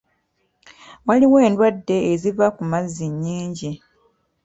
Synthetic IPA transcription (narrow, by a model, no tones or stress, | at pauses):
waliwe̞ːndwadːe̞ːzivakumazːiɲːiːɲɟi